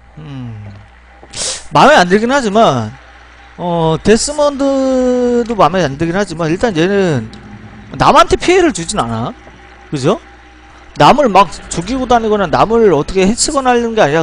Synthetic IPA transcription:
ɯ | mameandeɡinɯnhad͡ʑiman | ʌte̞s͈ɯmʌndɯ | domameandeɡinɦad͡ʑimaniɭt͈anje̞nɯn | namantʰe̞pʰieɾɯɭt͡ɕud͡ʑinana | kɯd͡ʑo | namɯɭmak̚t͡ɕuɡiɡodaɲiɡonanamɯɭʌtʰʌkʰehet͡ɕʰiɡʌnaʎɯnɡeaɲiɾa

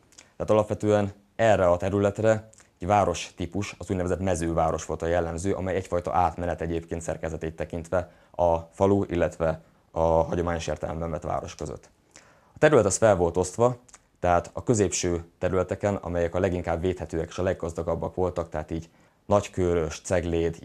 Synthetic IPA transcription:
t̪ɛhaːt̪ɒlɒpʋɛt̪øːɛn | ɛrːɛɒt̪ɛɾylɛt̪rɛ | ɛɟvaːɾo̞ʃt̪ipuʃɒzuɟnɛvɛzɛt̪mɛzøːvaːɾo̞ʃʋo̞lt̪ɒjɛlːɛmzøːʔɒ̰mɛjɛcfɒjt̪ɒ̰ʔaːt̪mɛnɛt̪ɛɟeːpkeːnt̪sɛ̰rkɛzɛt̪eːt̪ːɛkint̪ʋɛ | ɒfɒluḭlːɛt̪ʋɛ | ɒɦɒɟo̞maːɲo̞ʃḛːrt̪ɛ̰lɛ̰mbɛɱvɛt̪ʋa̰ːɾo̞̰ʃkøzø̰t̪ː | ɒt̪ɛɾylɛt̪ɛsfɛlvo̞lt̪o̞st̪ʋɒ | t̪ɛɦaːt̪ɒkø̞zeːpʃøːt̪ɛɾylɛt̪ɛkɛnɒ̰mɛjɛkɒlɛɡiŋkaːbveːt̪hɛt̪øːɛke̥ːʃɒlɛɡːɒzd̪ɒɡɒbːɒkʋo̞lt̪ɒk̚t̪ɛɦaːt̪iːɟ | nɒckøːɾøʃt̪sɛɡleːd̪

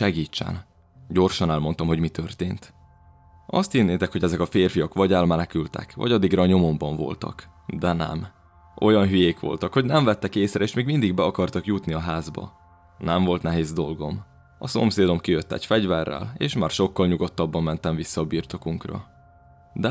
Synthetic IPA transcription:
ɛɡiːt͡ʃːɛ̰n | ɟo̞rʃɒnɛlmo̞nt̪ɒmɦo̞ɟmit̪ʰørt̪eːnt̪ | ʔɒst̪hinːeːt̪ɛkhoɟɛzɛkɒfeːrfijɒkʋɒɟɛlmɛnɛkylt̪ɛ̰kʋɒ̰ɟɒd̪iɡrɒːɲo̞mo̞mbɒɱvo̞̰lt̪ɒ̰k | d̪ɛnɛ̰m | ʔo̞jɒnɦyjeːkʋo̞̰lt̪ɒkho̞ɟnɛɱvɛt̪ːɛkeːsrɛeːʃmeːɡmind̪iɡbɛɒkɒrt̪ɒkjut̪niɒɦaːzbɒ̰ | nɛɱvo̞lt̪nɛɦeːzd̪o̞lɡo̞m | ɒso̞mseːd̪o̞mkijøt̪ːɛ̰cfɛɟvɛrːɛ̰leːʃmaːrʃo̞kːɒlɲuɡo̞t̪ːɒbːɒmːɛnt̪ɛɱvisːɒːbiːrt̪o̞kuŋkrɒ̰ | d̪ɛ

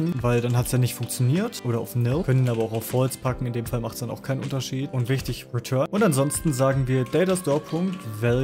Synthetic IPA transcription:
n̩vaɪldanhatsjaːnɪçtfʊŋkt͡sjoniːɐtʔoːɾɐa̰ʊfnɪlkœnəniːnaːbɐaʊxaʊfhɔlt͡spʰakŋ̩ɪndeːmfalmaχtsd̥anaʊxkʰaɪnʔʊ̰ntɐʃiːtʊntvɪçtɪçʁitʰœɐnʔʊntanzɔnstn̩zaːɡŋ̩viːɐdɛɪtastɔɐpʰʊŋktvɛl

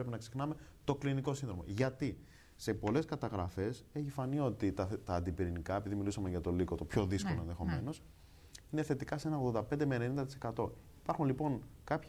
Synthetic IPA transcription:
ɾepinɐksixnɐme̞t̪o̞kliniko̞sinðɾo̞mɐ̰ʝɐt̪i | se̞po̞le̞skɐt̪ɐɣɾɐfe̞seçifɐnio̞t̪it̪ɐt̪ɐːnd̪ipiɾinikɐepiðimilusɐmeʝɐt̪o̞liko̞t̪o̞pço̞ðiskoloenðe̞xo̞me̞no̞s | ine̞θe̞t̪ikɐsee̞nɐoɣðod̪ɐpend̪emenenind̪ɐt̪ise̞kɐt̪o̞ipɐɾxunlipo̞ŋkɐpç

